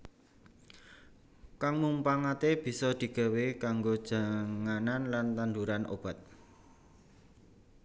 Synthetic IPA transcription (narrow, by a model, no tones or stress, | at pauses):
kaŋmumpaŋat̪eb̥i̤sɔd̪̥i̤ɡ̥a̤wekaŋɡod̥ʒ̥aŋananlant̪and̪uɾanʔo̰b̥a̤t̪̚